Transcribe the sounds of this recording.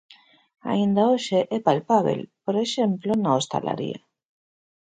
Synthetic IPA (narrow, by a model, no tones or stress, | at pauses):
a̰ind̪aoʃeʔepalpaβ̞ḛlpoɾeʃemplonaost̪a̰la̰ɾḭa̰